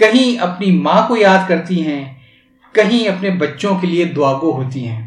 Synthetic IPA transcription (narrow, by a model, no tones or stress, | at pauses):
kɐɦĩɐpnimãːkojaːd̪kɐɾt̪iɦɛ̃ː | kɐɦĩɐpnebɐtːʃõkelied̪ʊaːɡoɦoːt̪iɦɛ̃ː